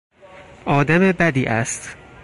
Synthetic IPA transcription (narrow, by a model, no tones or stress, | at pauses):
ʔɒːd̪æmebæd̪iːʔæst̪